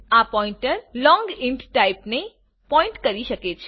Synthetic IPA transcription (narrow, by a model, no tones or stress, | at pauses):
apɔĩɳʈəɾlɔ̃ŋɡɪɳʈʈaipne | pɔɪ̃ɳʈkəɾiʃəket͡ʃʰe